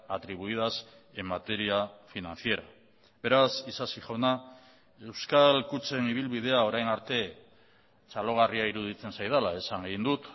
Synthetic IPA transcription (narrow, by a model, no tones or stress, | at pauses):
at̪ɾiβ̞uið̞as | e̞mːat̪e̞ɾiafinanθie̞ɾa | be̞ɾasisasiʝawna | e̞wskalkut͡se̞niβ̞ilβið̞e̞ao̞ɾajnaɾt̪e̞ | t͡ʃalo̞ɣ̞ariaiɾuð̞it͡se̞nsajðalae̞saŋɡeɣind̪ut̪